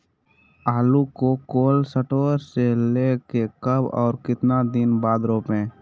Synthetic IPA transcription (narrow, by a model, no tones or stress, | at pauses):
aːlukokoːlsəʈoːɾseleːkekəbɔ̰ːɾkɪt̪nad̪ɪnbaːd̪ɾoːpɦɛ̃ː